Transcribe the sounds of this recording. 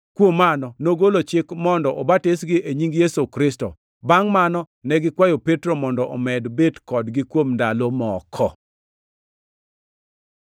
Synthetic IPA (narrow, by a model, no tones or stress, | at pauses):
kwomːanɔnoɡolot͡ʃɪkmɔndɔʔɔbatɪsɡɪʔeɲiŋɡjesukɾɪstɔ̰ | baŋmanɔ | nɛɡɪkwajopetɾomɔndɔʔɔmɛdbedkɔdɡɪkwomndalomɔkʰɔ